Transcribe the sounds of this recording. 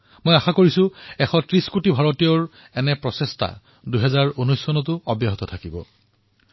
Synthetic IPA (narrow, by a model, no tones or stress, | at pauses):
mojaxakoɹisʊɛxɔtɹiskutibʱaɹɔtijɔɹ | ɛnɛpɹɔsestʰa̰ | duɦɛzaɹunɔjsːɔnɔtʊɔbjaɦɔt̪ɔtʰakibɔ̰